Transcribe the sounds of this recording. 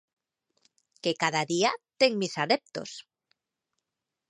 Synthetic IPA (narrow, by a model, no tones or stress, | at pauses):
kekaðaðiat̪eŋmisaðep̚t̪o̰s